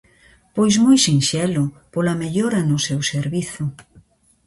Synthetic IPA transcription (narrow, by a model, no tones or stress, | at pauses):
pojzmojsinʃɛlʊpolameʎoɾɐnʊsewseɾβiθʊ